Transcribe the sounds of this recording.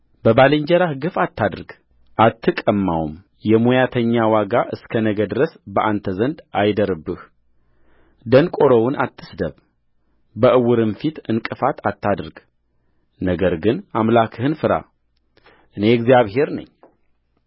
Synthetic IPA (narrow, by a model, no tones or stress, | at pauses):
bəbalɨɲd͡ʒɛɾahɡɨfat̪ːad̪ɾɡ | ʔat̪ʰːɨkʼəmːa̰wm | jɛmojat̪ʰəɲːawaɡaʔɨskʰənəɡəd̪ɨɾəsbəʔant̪ʰəzənd̪ʔajd̪əɾɨbːɨh | d̪ənkʼoɾəwʊnʔat̪ʰːɨsd̪əβ | bəʔɨwʊɾɨnfit̪ɨnkʼɨfat̪ʰat̪ːad̪ɾɡ | nəɡəɾɡɨnamlakʰɨhɨnfɨɾa̰ | ʔɨne̞ɡzijaβɦe̞ɾnə̰ɲː